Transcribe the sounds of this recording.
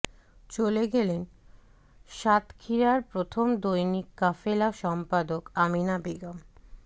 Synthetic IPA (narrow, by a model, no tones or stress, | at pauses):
t͡ɕoleɡelen | ʃat̪kʰiɾaɾpɾot̪ʰomd̪ojnikːafelaʃɔmpad̪okaminabeɡam